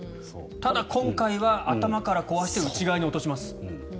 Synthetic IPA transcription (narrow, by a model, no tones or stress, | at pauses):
t̪ad̪akʰõ̞ŋkaiβaʔat̪amakaɾako̞βaɕi̥t̪e̞ɯ̟t͡ɕiɡaeɲ̟io̞t̪o̞ɕimasɨ̥